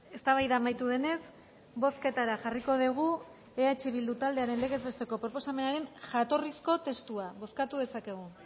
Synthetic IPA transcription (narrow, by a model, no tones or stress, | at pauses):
e̞st̪aβ̞ajðaːmajt̪uðe̞ne̞s | bo̞ske̞t̪aɾaʝariko̞ðeɣ̞u | eat͡ʃiβ̞ild̪ut̪ald̪e̞aɾe̞nle̞ɣe̞zβe̞st̪e̞ko̞pɾo̞po̞same̞naɾe̞nʝat̪o̞risko̞t̪e̞st̪uaβo̞skat̪uð̞e̞sake̞ɣ̞u